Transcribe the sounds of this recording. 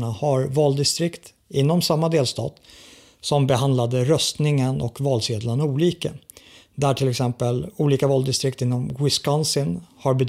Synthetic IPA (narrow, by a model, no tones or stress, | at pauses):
ɳahaɾvɑːld̪ɪst̪ɾɪkt̪ | ɪnːɔmsamːad̪eːlst̪ɑ̰ːt̪ | sɔmbɛɦand̪lad̪əɾœst̪nɪŋənʔɔ̰kvɑːlseːd̪laɳuːliːkə | d̪æʈʰɪlɛksɛmpəluːliːkavɑːld̪ɪst̪ɾɪkt̪ɪnːɔmwɪskansɪnhaɾbɛd̪